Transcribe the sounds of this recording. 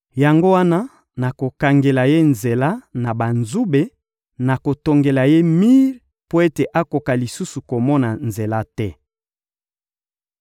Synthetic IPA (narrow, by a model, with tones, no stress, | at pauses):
ja˨ŋɡo˦wa˦na˦ | na˨ko˨ka˨ŋɡe˨la˨je˦nze˨la˦na˨ba˨nzu˦be˨ | na˨ko˨to˨ŋɡe˨la˨je˦mi˦ʁ | po˦e˦te˨ʔa˦ko˨ka˨li˨su˦su˨ko˨mɔ˦na˨nze˨la˦tɛ˦